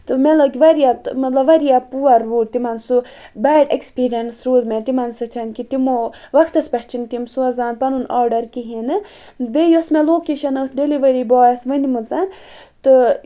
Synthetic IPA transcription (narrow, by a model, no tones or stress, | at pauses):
t̪ɨmɐt̪lɐkiʋɐɾijat̪mɐt̪lɐbʋɐɾijapuɐɾʋuːʈt̪imɐnsu | baːɖekspiːɾijɐnsɾuːd̪met̪imɐnsɨt̪ʰɐnkit̪imoʋɐkʰt̪ɐspɐʈʰt͡ʃʰint̪imsuɐzaːnpɐnunaːɾɖɐɾkiɦinɨ | d̪ejosmeloːkeːʃɐnɐsɖeliʋɐɾibɔːjsʋɐnimut͡san | t̪ɨ